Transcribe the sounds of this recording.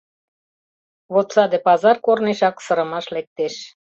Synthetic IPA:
βot̪sɑd̪epɑzɑrkorneʃɑksɤɾə̆mɑʃlek̚t̪eʃ

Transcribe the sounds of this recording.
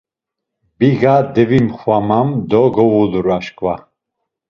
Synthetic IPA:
biɣad̪ɛvimχwamamd̪ɔɡɔwuluɾaʃkʼva

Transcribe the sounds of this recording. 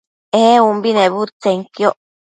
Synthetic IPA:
eumbineβut͡seŋkjoʔ

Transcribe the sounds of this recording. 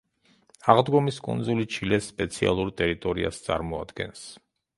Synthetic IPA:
aʁd̪ɡɔmiskʼɔ̰nzulit͡ʃʰilɛsːpʼɛt̪sʰia̰lˠuɾt̪ʼɛɾit̪ʼɔɾḭa̰st̪sʼa̰ɾmɔad̪ɡɛns

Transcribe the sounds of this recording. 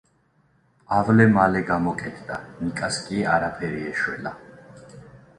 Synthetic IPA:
avlɛmalɛɡamɔkʼɛt̪ʰd̪anikʼaskʼiaɾapʰɛɾiɛʃwɛ̰la

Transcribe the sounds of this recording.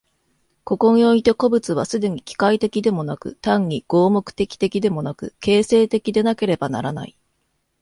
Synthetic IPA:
ko̞kõ̞ɰoit̪e̞ko̞bɯ̟t͡sɨβasɨd̪e̞ɲ̟ikʲi̥kait̪e̞kʲid̪e̞mo̞nakɯ̟t̪ãɲ̟ːiɡ̥o̞ːmo̞kɯ̟̥t̪e̞kʲi̥t̪e̞kʲid̪e̞mo̞nakɯ̟̰ke̞ːse̞ːt̪e̞kʲid̪e̞nake̞ɾe̞bana̰ɾana̰i

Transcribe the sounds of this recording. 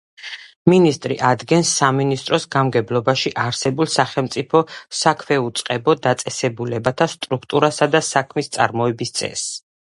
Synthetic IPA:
minist̪ʼɾḭʔad̪ɡɛnsːaminist̪ʼɾɔsɡamɡɛblˠɔbaʃiʔaɾsɛbulˠsaχɛlˠmt̪sʼipʰɔsakʰmɛut̪sʼqʼɛbɔd̪at̪sʼɛsɛbulɛbat̪ʰast̪ʼɾukʰt̪ʼuɾasad̪asakʰmist̪sʼa̰ɾmɔɛbist̪sʼɛ̰s

